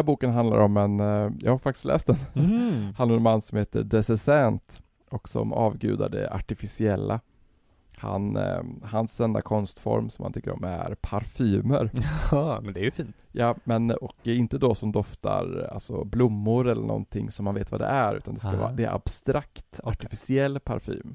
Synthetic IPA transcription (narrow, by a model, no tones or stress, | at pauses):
æːbuːkənɦand̪laɾɔmːɛnjɑːɡhaɾfak̚t̪ɪ̥st̪lɛ̰ːst̪d̪ɛnhanaɾɛnmanːsɔmheːt̪əɖ̪ɛsɛsɛnt̪ | ɔksɔ̰mɑːvɡʉ̟ːd̪aɖɛ̰aʈɪfɪsɪɛlːa | hanhansɛnd̪akʰɔnst̪fɔ̰ɾmsɔmha̰nt̪ʏkːəɾɔ̰mæɾpʰaɾfyːməɾ | mɛnd̪ɛæjfiːnt̪jɑːmɛnɔkɛɪnt̪əd̪ɔsɔmd̪ɔft̪ʰaɾalsɔblʊmːʊɾɛlːəɳʔɔ̰nt̪ʰɪŋːsɔmːanveːt̪vad̪ɛ̰ʔæɾʉ̟ːt̪and̪ɛskavɑ̰ːɾd̪ɛæɾab̥st̪ɾakt̪aʈɪfɪsɪɛlːpʰaɾfy̰ːm